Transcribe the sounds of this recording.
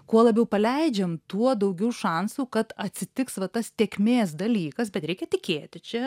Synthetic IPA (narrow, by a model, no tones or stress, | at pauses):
kuɔlˠɐbʲɛʊpɐlʲɛɪd͡ʒʲɛmt̪uɔd̪ɐʊɡʲɛʊʃɑˑnsuːkɐt̪ɐt̪ʲsʲɪt̪ʲɪksʋɐt̪ɐst̪ʲeːkʲmʲeːs̬d̪ɐlʲiːkɐsbʲɛt̪ɾʲɛɪkʲɛt̪ʲɪkʲeːt̪ʲɪt͡ʃʲɛ